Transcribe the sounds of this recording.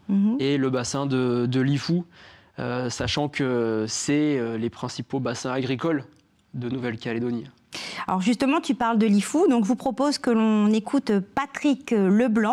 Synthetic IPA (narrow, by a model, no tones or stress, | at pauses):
eləbasɛ̃d̪əd̪əlifu | øsaʃɑ̃kʰəsɛølepχɛ̃sipobasɛ̃aɡʁikɔl | d̪ənuvɛlkʲaled̪ɔni | aɔʁʒyst̪əmɑ̃t̪ypaʁld̪əlifud̪ɔ̃kʒvupχɔpozkəlɔ̃nekʰut̪pat̪χikləblɑ̃